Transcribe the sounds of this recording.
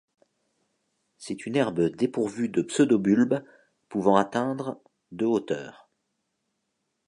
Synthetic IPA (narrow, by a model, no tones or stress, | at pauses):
sɛt̪ynɛʁbəd̪epuʁvyd̪əpsød̪obylb | puvɑ̃at̪ɛ̃d̪ʁə | d̪øot̪œ̰ːʁ